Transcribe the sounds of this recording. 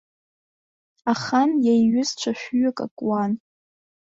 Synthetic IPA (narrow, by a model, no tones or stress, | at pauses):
aχanjajɥʊzt͡ʃʷʰaʃᶣɥʊkʼa̰kʼwan